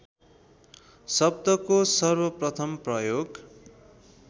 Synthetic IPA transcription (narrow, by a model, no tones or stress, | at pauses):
sʌbd̪ʌkosʌrbʌprʌt̪ʰʌmprʌjoɡ